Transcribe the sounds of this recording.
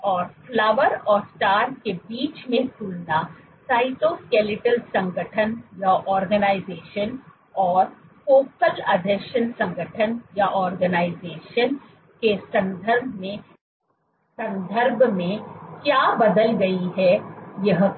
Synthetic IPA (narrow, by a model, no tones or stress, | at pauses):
ɔːɾflaːʋəɾɔːɾsʈaːɾʈ̚kebiːt͡ʃmẽt̪ulna | saːɪtoːskeːlɪʈəlsɐ̃ŋɡʱəʈʰənjaʔɔːɾɡənaːɪzeːʃən | ɔːɾpoːkəlɐd̪ʱəʃənsɐ̃ŋɡəʈʰənjaʔɔːɾɡənaːɪzeːʃən | kesɐ̃nd̪ʱəɾbʱmẽ | sɐ̃nd̪ʱəɾbʱmẽkjaːbɐd̪əlɡɐiɦɛjɐɦ